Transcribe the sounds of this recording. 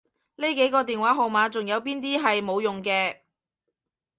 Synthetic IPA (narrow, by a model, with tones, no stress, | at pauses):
le˥jke˨˥jkɔː˧t̪iː˨nwaː˨˥ɦo˨˧wmaː˨˧t͡sʊ˨ŋjɐ˨˧wp̬iː˥nt̪iː˥ɦɐ˨jmo˨˧wjʊ˨ŋkɛː˧